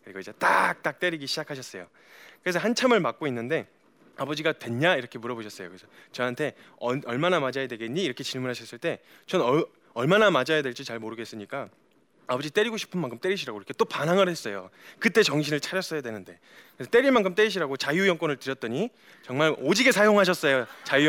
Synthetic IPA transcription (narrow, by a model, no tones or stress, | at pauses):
ɯɾiɡoid͡ʑat͈a̰k̚t͈ak̚t͈eɾiɡiɕʰid͡ʑakʰaɕ̬ʰʌs͈ʌjo | kɯɾe̞s̬ʰʌhant͡ɕʰamɯɭmak̚k͈oinːɯnde̞ | abʌd͡ʑiɡatwe̞nːaiɾʌkʰe̞muɾʌboɕʰʌs͈ʌjo̰kɯɾesʰʌt͡ɕʌɦantʰe̞ʌʌɭmanamad͡ʑajadwe̞ɡeɲːiːɾʌkʰe̞t͡ɕiɭmunɦaɕʰʌs͈ɯɭt͈e̞ | t͡ɕʌnʌ | ʌɭmanamad͡ʑajadwe̞ɭt͡ɕ͈it͡ɕaɭmoɾɯɡe̞s͈ɯɲik͈a | abʌd͡ʑit͈e̞ɾiɡoɕʰi̥pʰɯnmaŋkʰɯmt͈e̞ɾiɕʰiɾaɡoiɾʌkʰet͈opanɦaŋɯɾhe̞s͈ʌjokɯt͈e̞t͡ɕʌŋɕ̬ʰinɯɭt͡ɕʰaɾjʌs͈ʌjadwe̞nɯnde̞̰ | kenset͈e̞ɾimaŋkʰɯmt͈eɾiɕ̬ʰiɾaɡot͡ɕajujʌŋk͈wʌnɯɭtɯɾjʌt̚t͈ʌɲi | t͡ɕʌŋmaɾod͡ʑiɡe̞sʰajoŋɦaɕ̬ʰʌs͈ʌjot͡ɕaju